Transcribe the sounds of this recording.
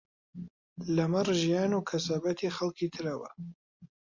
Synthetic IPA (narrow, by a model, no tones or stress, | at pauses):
lɐmɐrʒijaːnuːkʰɐsaːbɐt̪ʰiːxalˠkʰiːt̪ʰɨɾɐwɐ̰